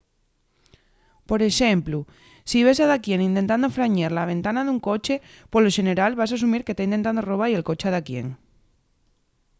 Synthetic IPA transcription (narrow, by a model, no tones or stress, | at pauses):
po̞ɾe̞ʃemplu | siβ̞e̞s̬aðakje̞nĩnt̪e̞nt̪and̪ofɾaɲaɾlaβẽ̞nt̪anaðuŋko̞t͡ʃe̞ | poloʃe̞ne̞ɾalβas̬as̬umiɾket̪aint̪e̞nt̪and̪oroβ̞aielko̞t͡ʃeaðakje̞̰ŋ